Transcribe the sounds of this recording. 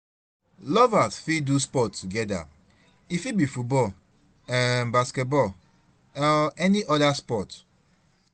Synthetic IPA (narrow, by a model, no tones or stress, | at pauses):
lɔvasfiduspɔtːuɡɛda̰ | ifibifut̚bɔl | ãnbaskɛt̚bɔ | ɔɛniʔɔdaspɔt